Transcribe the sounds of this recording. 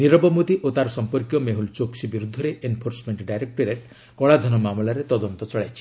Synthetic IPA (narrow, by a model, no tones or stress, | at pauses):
niɾɔbɔmut̪iʔot̪aɾɔsɔmpɔɾkjɔmeɦult͡ʃoksibiɾud̪ʱːɔɾeʔenpʰoɾsɔmeɳʈɖajɾek̚ʈɔɾeʈ | kɔɭad̪ʱɔnɔmamɔlaɾet̪ɔd̪ɔnt̪ɔt͡ʃɔɭajt͡ʃʰi̥